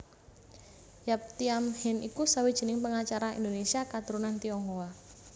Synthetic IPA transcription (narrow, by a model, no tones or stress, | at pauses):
jap̚t̪iamhɛnʔikusawid̥ʒ̥i̤nɪŋpəŋat͡ʃaɾaḭnd̪onesiakat̪uɾunant̪iɔŋhowa